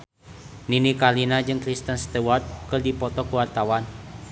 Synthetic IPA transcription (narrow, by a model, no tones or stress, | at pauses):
ninikalinad͡ʒɨŋkɾist̪ənst̪ɛwɔrd̪̚kɨrdipɔt̪ɔkuwart̪awan